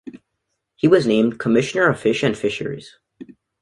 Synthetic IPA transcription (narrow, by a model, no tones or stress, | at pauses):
hiwʌznẽɪ̃mkʰəmɪʃɨnə˞ʌv̥fɪʃɨ̃nfɪʃə̰˞ḭz̥